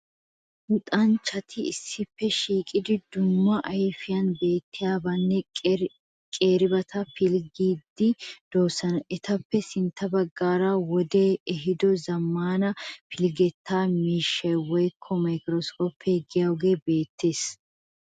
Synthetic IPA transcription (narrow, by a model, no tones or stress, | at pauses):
ʔʊt̪ʼɐnt͡ʃːɐt̪ʰɪɪsːɪpːɛʃiːkʼɪd̪ɪd̪ʊmːɐʔɐjfɪjɐnbe̞ːt̪ːɪjaːbɐnːɛ | kʼe̞ːɾɪbɐt̪ʰɐpɪlɡiːd̪ːɪd̪̥oːsːɐnɐʔɛt̪ɐpːɛsɪnt̪ʰːɐbɐɡːaːɾɐwɔd̪eːɛɦɪd̪ɔzɐmːaːnɐpɪlɡɛt̪ʰːaːmiːʃːɐjwɔjkʰːɔmɐjkɾɔskʰoːpʰːɛɡɪjɐwɡe̞ːbe̞ːt̪ːe̞ːs